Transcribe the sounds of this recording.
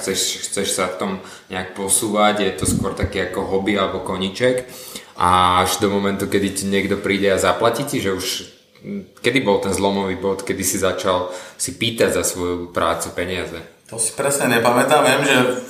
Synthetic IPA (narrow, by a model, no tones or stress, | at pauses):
xt͡sɛʃxt͡sɛʃsaft̪ɔm | ɲɛak̚pɔsuːʋaɟjɛt̪ɔskʊɔɾt̪akiːakɔɦɔbialɛbɔkɔɲit͡ʃɛkʔaaʒd̪ɔmɔmɛnt̪ukɛd̪iɲɪɛɡd̪ɔpɾiːɟɛazaplaciciʒɛuʃ | kɛd̪ibɔlt̪ɛnzlɔmɔʋiːbɔt̪kɛd̪isizat͡ʃalsipiːt̪aɟzasʋɔjupɾa̰ːt͡supɛɲɪazɛt̪ɔsi̥pɾɛsɲɛɲɛpamɛt̪amʋɪɛmʒɛ